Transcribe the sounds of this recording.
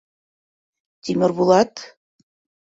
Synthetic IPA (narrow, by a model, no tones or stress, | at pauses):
t̪ʲimʲɘ̆rβulˠɑt̪